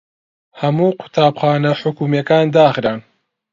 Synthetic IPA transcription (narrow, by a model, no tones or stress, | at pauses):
hɐmuːqʰʊ̥t̪aːbxaːnɐħʊkumjɐkaːnd̪aːχɾaːn